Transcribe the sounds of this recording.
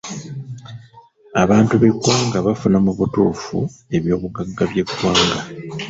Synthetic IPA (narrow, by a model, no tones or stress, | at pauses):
aβaːntuβe̞ɡwaːŋɡaβafunamuβutuːfṵe̞βjo̞ːβuɡaɡːaβje̞ɡwaːŋɡa